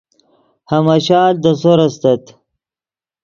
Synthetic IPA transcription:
hɐmɐɕaːld̪əsoɾɐst̪ɐt̪

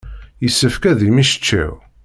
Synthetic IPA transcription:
jəsːəfkæðimiʃə̥t͡ʃːḭ

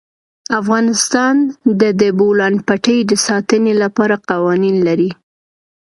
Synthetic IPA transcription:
afɣɑnɪst̪ɑnd̪əd̪əbolɑnpaʈəjd̪əsɑt̪ənelapɑɾaqɑwɑninlaɾi

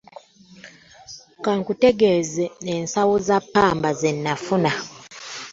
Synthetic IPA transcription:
kaŋkute̞ɡezeneːnsawozapːaːmbazenːafuna

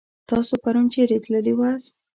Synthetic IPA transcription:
t̪ɑsopaɾunt͡ʃeɾet̪ləliwas

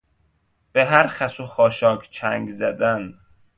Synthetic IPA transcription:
b̥eɦæɾxæsoxɒːʃɒːkʰt͡ʃʰæŋɡzæd̪æn

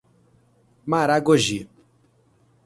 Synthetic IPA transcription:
maːɾaɡoʒi

